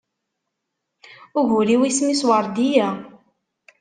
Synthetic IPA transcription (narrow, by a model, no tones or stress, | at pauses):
ʊʝuɾiwismiswəɾˤd̪ijæ